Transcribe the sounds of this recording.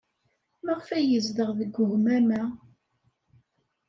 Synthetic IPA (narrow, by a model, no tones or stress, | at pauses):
məʁfæjəzd̪əʁðəɡʷːʊhmæmæ